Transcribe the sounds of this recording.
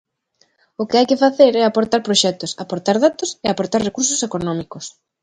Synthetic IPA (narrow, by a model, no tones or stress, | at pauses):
ʊkɪajkɪfaθeɾɛapoɾt̪aɾpɾoʃɛt̪ʊsapoɾt̪aɾðat̪ʊseapoɾt̪aɾrekuɾsosekonɔ̃mikʊs